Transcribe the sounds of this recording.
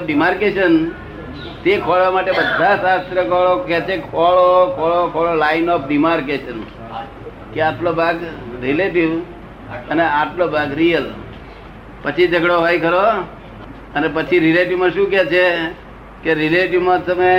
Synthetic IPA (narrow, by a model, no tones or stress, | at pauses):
ɖimaɾkeʃən | t̪ekʰɔɭʋamaʈebəd̪ʱːasast̪ɾəkɔɭokɛt͡ʃʰekʰɔɭokʰɔɭokʰɔɭolainɔpɖimaɾkeʃən | keaʈʰlobʱaɡɾileʈiʋ | əneaʈʰlobʱaɡɾijəl | pət͡ʃʰid͡ʒəɡɽoɦajkəɾo | ənepət͡ʃʰiɾileʈiʋmãʃũkɛt͡ʃʰe | keɾileʈiʋmãt̪əme